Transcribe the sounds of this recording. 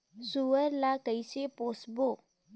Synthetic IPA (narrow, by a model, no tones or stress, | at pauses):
suwəɾlakəjseposbo